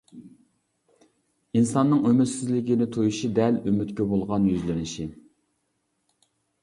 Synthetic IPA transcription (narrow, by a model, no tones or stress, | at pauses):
insɑnːɨŋømyt̪sɪzlɪkʲinɪt̪ʰojuʃid̪ɛlymyt̪kʲɛbolˠʁɑnjyzlɪnɪʃi